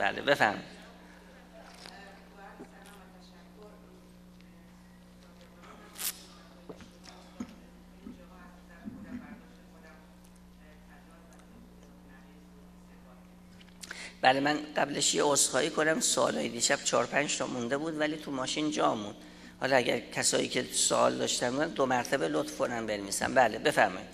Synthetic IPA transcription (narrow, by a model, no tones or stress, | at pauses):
b̥æ̰ːlḛbe̞fæɾmɔ | b̥ælemænɢæbleʃjeosxɒːʔiːkʰonæmsoɒ̰ːlɒːjed̪iːʃæb̥t͡ʃʰɒːɾopʰænd͡ʒt̪ʰɒːmund̪e̞buːd̪væliːt̪ʰumɒːʃiːnd͡ʒɒːmːund̪̥ | hɒ̰lɒæɟæ̰ɾcʰæsɒːjḭːcʰeso̰ʔɒːld̪ɒ̰ːʃt̪ænbud̪ænd̪omæɾt̪ʰæbe̞lot̪fkʰonæmbenviːsæ̰mbæːlebe̞fæɾmɒ̰ːjid̪̥